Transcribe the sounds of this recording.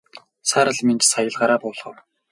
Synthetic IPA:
saɾə̆ɮment͡ɕsajə̆ɮɢaːɾaːpʊːɮχə̆w

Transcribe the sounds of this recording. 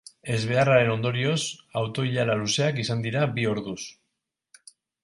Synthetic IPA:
e̞zβ̞e̞araɾe̞no̞nd̪o̞ɾio̞sawt̪o̞iʎalaluse̞akisand̪iɾabio̞ɾðus

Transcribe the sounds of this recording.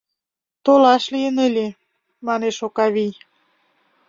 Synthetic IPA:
t̪olɑʃlijənəlʲe | mɑneʃokɑβij

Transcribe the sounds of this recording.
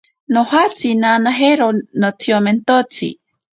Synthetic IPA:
nohat͡sinanaɦeɾonot͡sʰioment̪ot͡sʰḭ

